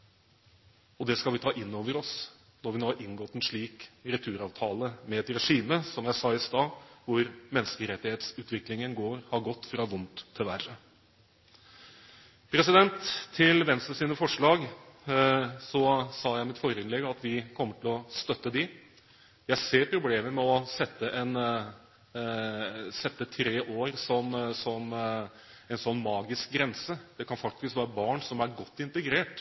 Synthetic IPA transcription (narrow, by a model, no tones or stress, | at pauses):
ɔd̪ɛskɑlʋɪt̪ʰɑːʔɪnːoːʋəɾɔs | nɔɾʋɪnoːɑɾʔɪŋɡɔt̪ːɛnʂɭiːkɾɛt̪ʰʉːɾɑːʋt̪ʰɑːləmɛɛt̪ɾɛʂiːməsɔmjæɪsɑːɪst̪ɑːʋʊɾmɛnskəɾɛt̪ːɪheːt̪sʉːt̪ʋɪklɪŋənɡoːɾhɑɾɡɔt̪ːfɾɑʋʊnt̪ʰːɪlʋærə | pʰɾɛsɪd̪ɛnt̪ʰːɪlʋɛnst̪əsiːnəfɔʂɭɑːɡ | sɔsɑːjæɪmɪt̪fɔɾɪnlɛɡəɑt̪ʋɪkʰɔmːəʈʰɪlɔst̪œt̪ːəd̪ɪ | jæɪseːɾpʰɾʊbleːməɾmɛɔsɛt̪ːəʔɛn | sɛt̪ːət̪ʰɾeːʔoːɾsɔmsɔm | ɛnsɔnːmɑːɡɪsk̚ɡɾɛnsəd̪̥ɛkʰɑnfɑk̚t̪ɪskʋæːɾəbɑːɳsɔmæɾɡɔt̪ːɪnt̪əɡɾeːʈ